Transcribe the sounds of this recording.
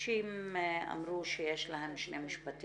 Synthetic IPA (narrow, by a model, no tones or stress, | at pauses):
ʃima̰mɾuʃejeʃlahemʃnemiʃpat̪